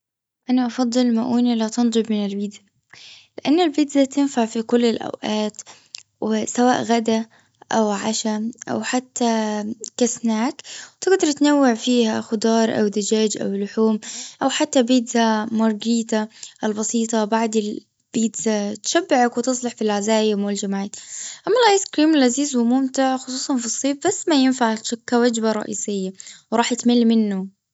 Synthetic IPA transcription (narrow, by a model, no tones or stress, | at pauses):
ʔanaʔɑfɑd̪ˤːɨlmaʔuːnilat̪ɑnd̪ˤɨbmɪnɪlbiːd̪za | lɪʔanːalbɪd̪zat̪ɪnfaʕfikʊlːɪlʔa̰wʔaːt̪ | wɪsawa̰ːʔɣad̪a | ʔawʕaʃaʔa̰wħat̪ːakasnaːkwt̪ɪɡd̪ɑɾˤt̪nawːɪʕfiːhaxʊd̪ɑːɾˤʔa̰wd̪ad͡ʒaːd͡ʒʔa̰wlʊħuːmʔawħat̪ːabiːd̪zamɑɾˤɡiːt̪aʔɪlbɑsiːt̪ˤɑbaʕd̪ɪl | b̥iːd̪zat̪ʃabːɪʕakwɪt̪ɨsˤlɑħfilʕazaːjɪmʊld͡ʒamʕaːt̪ʔamːalaːjskɾiːmɪlʔaziːzwɪmʊmt̪ɪʕxʊsˤuːsˤɑnfisˤːiːfbasːmajɪnfaʕʃʊkːawad͡ʒbaɾˤɑ̰ʔiːsɪjːawɾˤɑːħɪt̪mɪlːmɪnːʊ